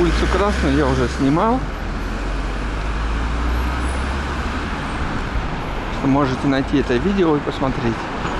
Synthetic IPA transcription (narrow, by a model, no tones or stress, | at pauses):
ulʲɪt̪sʊkɾasnʊjʊjaʊʐɛsʲnʲɪmalˠ | ʂt̪omo̞ʐɨtʲɪnɐjtʲiɛt̪əvʲidʲɪoipəsmɐt̪ɾʲetʲ